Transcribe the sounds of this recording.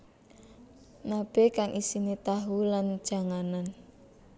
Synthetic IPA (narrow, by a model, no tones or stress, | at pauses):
nab̥e̤kaŋʔisinet̪aɦuland̥ʒ̥a̤ŋanan